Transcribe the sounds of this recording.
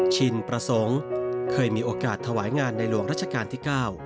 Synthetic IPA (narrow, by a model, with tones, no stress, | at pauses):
t͡ɕʰi˧npɾa˧so˩˦˥ŋkʰɤː˧jmiː˧ʔoː˧kaː˨˩t̪ʰːa˧waː˩˦jŋaː˧nːa˧jɾu˧˩ŋɾaː˥˩t̚t͡ɕʰa˧kaː˧nt̪ʰiː˥˩kaː˥˩w